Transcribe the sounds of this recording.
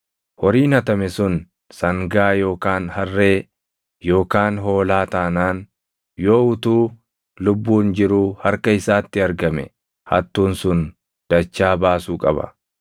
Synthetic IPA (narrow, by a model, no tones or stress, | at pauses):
hɔɾiːnɐt̪ɐmɛsʊn | sɐŋɡaːjo̞ːkaːnhɐrːe̞ː | jo̞ːkaːnɦo̞ːlaːt̪aːnaːn | jo̞ːʊt̪uː | lʊbːuːnd͡ʒɪɾuːhɐɾkɐɪsaːt̪ːɪɐɾɡɐmɛ̰ | hɐ̰t̪ːuːnsʊn | d̪̥ɐt͡ʃːaːbaːsuːkʼɐ̰bɐ̰